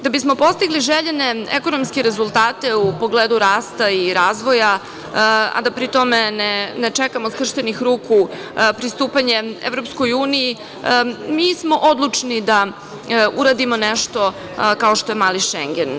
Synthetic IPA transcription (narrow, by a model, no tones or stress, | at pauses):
d̪̥abismo̞po̞st̪iɡliʒeʎeneeko̞nomskeɾezulˠt̪aːt̪e̞upo̞ɡleːd̪uɾaːst̪aiɾaːzʋo̞ja | a̰d̪apɾit̪o̞menenet͡ʂɛkamoskr̩ʃt̪enixɾuːku | pɾist̪uːpaɲe̞evɾo̞psko̞juːniji | miːsmo̞ʔod̪lˠut͡ʂnid̪a | uɾad̪imo̞neʃt̪o̞ | kaoʃt̪ojemaːliʃḛŋɡen